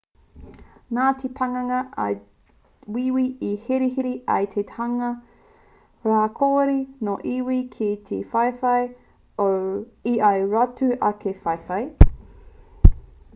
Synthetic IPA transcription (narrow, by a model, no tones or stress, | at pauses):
naːt̪ʰepʰɐŋɐŋɐɐ̰ | wiwiihiɾiɦiɾiɐ̰jt̪ʰethaŋɐ | ɾaːkʰoːɾinoʔiwikʰit̪ʰefɐjfɐj | oiʔajɾatʉʔɐkʰefɐjfɐj